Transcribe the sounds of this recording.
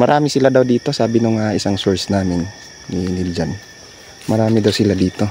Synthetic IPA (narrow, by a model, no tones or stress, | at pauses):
mɐɾaːmisilad̪awd̪iːt̪o̞saːbinoŋaisaŋsuɹsnaːmɪnː | inild͡ʒan | mɐɾaːmid̪awsilad̪iːt̪o̞